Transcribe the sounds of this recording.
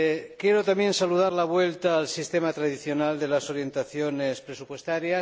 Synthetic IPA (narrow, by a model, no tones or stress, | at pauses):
kje̞ɾot̪amje̞nsaluð̞aɾlaβ̞we̞lt̪aːlsist̪e̞mat̪ɾaðiθjo̞nald̪e̞laso̞ɾje̞nt̪aθjonespɾesupwe̞st̪aɾja